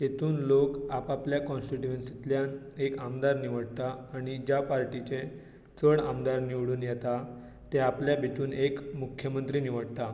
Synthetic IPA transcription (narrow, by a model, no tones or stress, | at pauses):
jet̪uːnlokapapljakɔ̃nsʈiʈuənsit̪ljan | ekamd̪aɾniʋəɽt̪aːɽ̃id͡ʑjapaɾʈit͡ɕe | t͡səɽamd̪aɾniʋɽuːnjɛt̪a | t̪eapljabʱit̪uːnekmukʰjəmənt̪ɾiniʋəɽt̪a